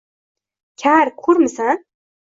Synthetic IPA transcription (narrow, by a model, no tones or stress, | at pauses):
kʲʰaːrkʷʰurmɨsa